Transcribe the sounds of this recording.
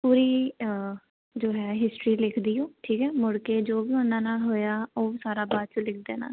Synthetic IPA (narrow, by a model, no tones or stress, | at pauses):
puːɾiː | d͡ʒoːɦɛːɦɪsʈɾiːlɪkʰd̪iːõːʈʰiːkɛːmʊɽkeːd͡ʒoːbiːʊnːãːnaːlɦoːjaːoːsaːɾaːbaːd̪̚t͡ʃəlɪk̚ʰd̪eːna̰ː